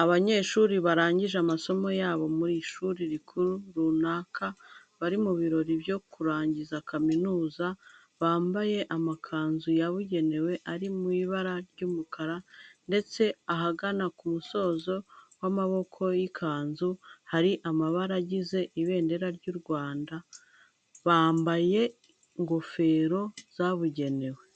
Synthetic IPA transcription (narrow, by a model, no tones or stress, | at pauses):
aβaɲe̞ːʃuːɾiβaɾaːɲɟiʒamaso̞mo̞jaːβo̞muɾiʃuːɾiɾikʰuɾuɾuːnaːkʰa | βaɾimuβiɾo̞ɾibjo̞kuɾaːɲɟizakaminuːza | βaːmbaje̞ʔamakʰaːnzujaβuɟe̞ne̞we̞ʔaɾimwiːβaɾaɾɟuːmukʰaɾande̞t͡se̞aɦaɡanakumuso̞ːzo̞wamaβo̞kʰo̞jikʰaːnzuhaɾiʔamaβaɾaɟize̞ʔiβe̞ːnde̞ɾaɾɟuːɾɡwaːnda | βaːmbaje̞ | ŋɡo̞fe̞ɾo̞z̥aβuɟe̞ne̞we